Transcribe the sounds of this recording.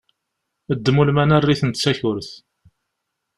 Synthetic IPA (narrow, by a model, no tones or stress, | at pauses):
əd̪ːmulmænærːiθənt̪t͡sːæçʊɾθ